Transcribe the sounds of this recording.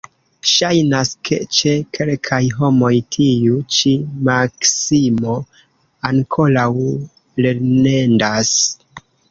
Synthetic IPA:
ʃajnaskʰe̞̰t͡ʃe̞kʰe̞lkʰajɦo̞mo̞jtʰiut͡ʃimaksimo̞ | aŋkʰo̞law | le̞ɾne̞ndas

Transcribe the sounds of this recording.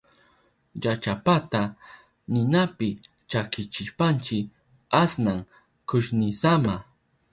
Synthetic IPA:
jat͡ʃapat̪a | nɪnapɪ | t͡ʃakɪt͡ʃɪʃpant͡ʃɪ | asnaŋ | kʊʃnɪsama

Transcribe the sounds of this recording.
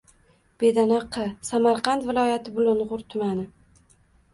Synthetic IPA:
b̥e̞d̪anaqʰːɨsamaɾqɑnt̪vɪlˠɒjat̪ʰɪbʊlʊnʁʊɾt̪ʰʊmanɪ

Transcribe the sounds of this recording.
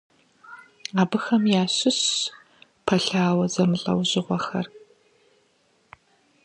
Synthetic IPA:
aːbɨxɐmjaːɕɪɕ | pʰɐɬaːwɐzɐmɨɬʼɐ̰wʑɪʁʷɔxɐ̰r

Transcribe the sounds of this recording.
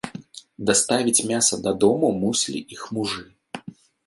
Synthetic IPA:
d̪ɐst̪avʲit͡sʲmʲasɐd̪ɐd̪ɔmumusʲlʲḭʔixmuʐɨ

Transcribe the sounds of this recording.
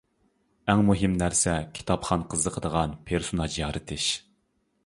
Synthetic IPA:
ɛŋmuɦɪmnæɾsɛkʲʰi̥t̪ʰɑpχɑnqʰəzəqʰəd̪əʁɑnpʰeɾsonɑd͡ʒjɑːɾʔɨt̪ʰɪʃ

